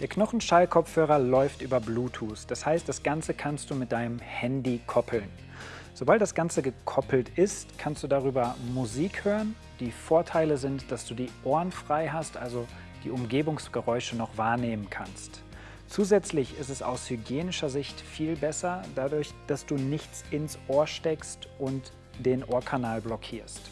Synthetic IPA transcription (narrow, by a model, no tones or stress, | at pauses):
d̥eːɐknɔχn̩ʃaɪlkʰɔp͡fhøːʁɐlɔʏftʔyːbɐbluːtʰuːsd̥ashaɪst̚d̥asɡ̥ant͡səkʰanst̚d̥uːmɪt̚d̥aɪnəmhɛndikʰɔpʰl̩n | z̥obalt̚d̥asɡ̥ant͡səɡəkʰɔpl̩tʔɪstkʰanstd̥uːdaʁyːbɐmuziːkhøːʁən | d̥iːfoːɐtʰaɪləzɪntd̥asd̥uːdiːʔoːɐnfʁ̥aɪɦastʔalzo | d̥ḭːʔʊmɡeːbʊŋsɡ̥əʁɔʏʃənɔχv̥aːɐneːmənkʰanst | t͡suːzɛt͡slɪçɪstɛsa̰ʊshyɡjeːnɪʃɐzɪçtfiːlbɛsɐd̥adʊɐçd̥asd̥uːnɪçt͡sɪnsʔoːɐʃtɛkstʔʊnt | d̥eːnʔoːɐkʰanaːlblɔkʰiːɐst